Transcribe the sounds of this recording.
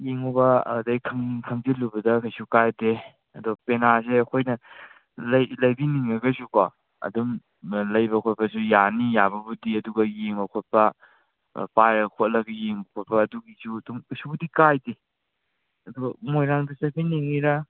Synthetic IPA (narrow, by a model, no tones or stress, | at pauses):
jeŋubɐ̰dɐjkʰɐŋkʰɐŋd͡ʒitlːubɐdɐkʰɐjsukajde | ɐdopenaseɐkʰojnɐ | lɐjlɐjbiniŋnɐɡɐsuka | ɐ̰dum | lɐjbɐkʰot̚bɐsujanijabɐbudiɐduɡɐjeŋbɐkʰot̚pɐ̰ | pajɾɐkʰot̚lɐɡɐjeŋbɐkʰot̚pɐːduɡisudumkʰɐsubudikajde | ɐduɡɐmojɾanbisɐpʰiniŋiɾɐ